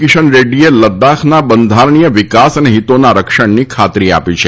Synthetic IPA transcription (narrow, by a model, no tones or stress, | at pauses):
kɪʃənɾeɖieləd̪akʰnabənd̪ʱaɾɳijəʋɪkasəneɦit̪onaɾəkʃəɳnikʰat̪ɾia̰pit͡ʃʰe